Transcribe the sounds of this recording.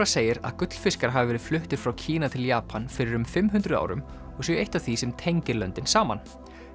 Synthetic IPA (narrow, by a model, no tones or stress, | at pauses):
aseːjɪɾa̰ðkʏt̪l̥fɪskaɾɦavɪvɛːɾɪð̥flʏht̪ɪɾ̥fɾawcʰiːnat̪ʰɪljaːpʰanfɪɾɪɾʏmfɪmɦʉnt̪ɾʏða̰ːwɾʏ̰m | ɔɣsɛejht̪ḁθisɛmt̪ʰejɲcɪɾlœnt̪ɪnsaːma̰n